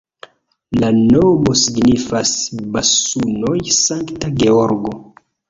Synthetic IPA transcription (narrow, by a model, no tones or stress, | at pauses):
lanomosiɡnifasbasuno̞jsaŋktaɡeoɾɡo